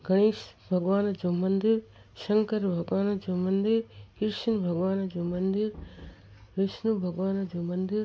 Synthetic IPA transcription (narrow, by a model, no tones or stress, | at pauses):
ɡʱɐɽ̃iːʃbʱɐɡʋaːnɐd͡ʒomɐnd̪iɾ | ʃɐŋkəɾbʱɐɡʋaːnɐd͡ʒomɐnd̪iɾkɪɾʃɐnbʱɐɡʋaːnɐd͡ʒomɐnd̪iɾ | ɾɪʃnubʱɐɡʋaːnɐd͡ʒomɐnd̪iɾ